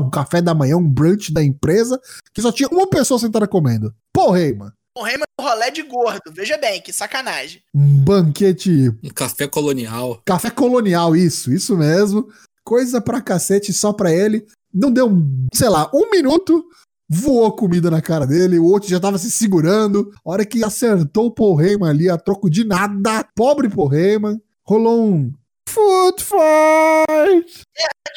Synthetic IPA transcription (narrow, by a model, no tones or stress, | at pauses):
ũkafɛd̪ɐmɐ̃j̃ɐ̃ũbɾɐ̃t͡ʃɪd̪ɐẽpɾezɐkɪsɔt͡ʃĩɲɐũmɐpesoɐsẽnt̪aɾɐkomẽnd̪ʊ | pohejmɐ̰̃ | pohejmɐ̃ʊholɛd͡ʒɪɡoɾd̪ʊveʒɐbẽj̃kɪsakanaʒẽjũbɐ̃ket͡ʃɪ̃kafɛkoloniawkafɛkoloniawisʊisʊmezmʊ | kojzɐpɾɐkaset͡ʃɪsɔpɾɐelɪ | nɐ̃w̃d̪ewsejlaʔũmĩnut̪ʊ | vuoɐkʊmid̪ɐnɐkaɾɐd̪elɪʊowt̪ɾʊʒat̪avɐs̬ɪsiɡuɾɐ̃d̪ʊɔɾɐkɪaseɾt̪owʊpoɦejmɐ̃aliɐt̪ɾokʊd͡ʒɪnad̪ɐpɔbɾɪpoɦejmɐ̃ | holoũ | futfa | t͡ʃ